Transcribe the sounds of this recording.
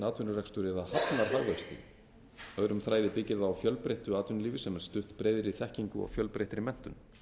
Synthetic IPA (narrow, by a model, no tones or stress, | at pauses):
naːt̪vʏnʏrɛkst̪ʏɾɛðahap̪naɾ̥ɦaɣvɛkst̪ɪ̰ | œɣɾʏmθɾaːjðɪpɪcːɪðaːwfjœlpɾejht̪ʏaːt̪vʏnliːvɪsɛmɛɾ̥st̪ʏht̪pɾeːjðɪɾiθɛhciŋkʏ̰ɔ̰ɣfjœlpɾeht̪ɾɪmɛn̥t̪ʏn